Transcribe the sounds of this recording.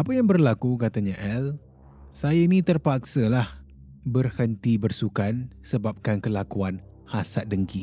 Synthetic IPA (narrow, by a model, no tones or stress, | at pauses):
apəjaŋbərlakukat̪aɲaʔɛl | sajainĩt̪ərpak̚səlah | bərhənt̪ibərsukansəbap̚kankəlakuan | hasat̪̚dəŋki